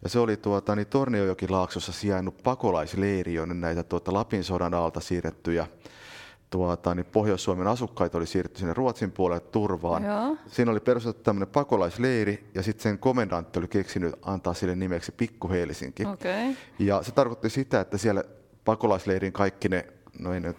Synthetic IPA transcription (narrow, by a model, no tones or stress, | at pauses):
jɑseolit̪uɑt̪ɑnit̪orniojokilɑːksosːɑsiænːuppɑkolɑisleirionennæit̪æt̪uot̪ɑlɑpinsoɾɑnɑlt̪ɑsiːret̪ːyjɑ | t̪uɑt̪ɑnipohjoisːuɑmenɑsukːɑit̪olisiːret̪ːysinːerruot̪simpuolelt̪t̪urʋɑːnsiːnoliperuset̪ːt̪æmːønepɑkolɑisleirijɑsit̪seŋkomendɑnt̪ːiolikeksinyɑ̰nt̪ɑːssilːennimeksi̥pikːuheːlisḭŋkiojɑset̪ɑrkot̪ːisit̪æet̪ːæsiæl | pɑkolɑisleiriŋkɑikːinenoen